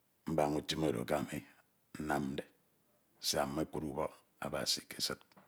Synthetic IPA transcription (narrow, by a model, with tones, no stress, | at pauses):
m̩˦ba˨ŋu˦ti˦mo˨do̰˨ka˦˨me˦ | n̩˦na˦mn̩˦de˨˦ | si˦˨a˨me˦k͡pu˦ɾu˦bɔ˦ | a̰˨ba̰˨si˨ke˨sɨ˦t̚